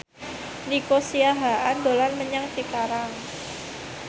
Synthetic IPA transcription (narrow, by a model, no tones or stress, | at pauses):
nikosiaɦaʔand̪olanməɲaŋt͡ʃikaɾaŋ